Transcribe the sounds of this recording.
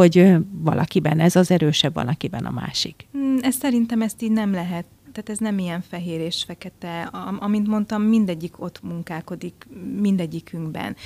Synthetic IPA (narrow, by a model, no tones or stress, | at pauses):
o̞ɟvɒ̰lʔɒkibɛnɛzɒzɛɾøːʃɛbvɒ̰lɒkibɛnɒ̰ma̰ːʃikɛssɛɾint̪ɛmɛst̪iːɟnɛmlɛɦɛt̪ːaːt̪ɛznɛmijɛɱfɛɦeːɾeːʃfɛkɛt̪ɛɒɒmint̪mo̞nt̪ɒmːind̪ɛɟːikʰo̞t̪muŋkaːko̞d̪ikmind̪ɛɟːikyŋɡbɛ̰n